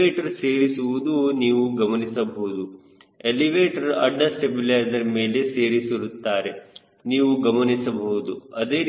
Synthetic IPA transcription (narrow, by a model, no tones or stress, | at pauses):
eːʈɐɾseːɾisuʋud̪uniːʋuɡɐmɐnisɐbɐɦud̪u | eliʋeːʈɐɾɐ̰ɖːɐsʈebilajzɐɾme̞ːlese̞ːɾisiɾut̪ːaːɾe̞ | niːʋuɡɐmɐnisɐbɐɦud̪uɐd̪e̞ːɾ